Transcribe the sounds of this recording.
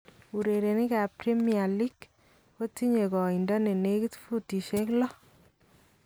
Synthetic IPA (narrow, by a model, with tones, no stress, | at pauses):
u˨ɾe˨ɾe˨nɪ˦ka˨pɾi˦mia˨li˦k | ko˦ti˦ɲe˨kɔ˨i˨ndɔ˦ne˨ne˦ki˦tfu˦ti˨ʃe˦klɔ˦